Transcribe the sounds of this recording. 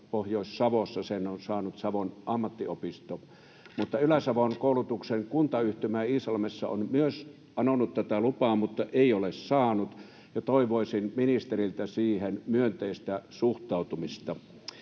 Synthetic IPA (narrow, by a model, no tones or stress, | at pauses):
pohjoˑisːɑʋosːɑsenonsɑːnut̪sɑʋonʔɑmːɑt̪ːiopist̪o | mut̪ːɑylæsɑʋonkoˑulut̪ukseŋkunt̪ɑyht̪ymæːiːsɑlmesːɑ̰o̰nmyøs | ɑnonut̪t̪æt̪ælupɑːmut̪ːɑʔeˑiolessɑːnut̪ | jɑt̪oiʋoˑisinminist̪erilt̪æsiːhenmyønt̪eist̪æsuht̪ˑɑˑut̪umist̪ɑ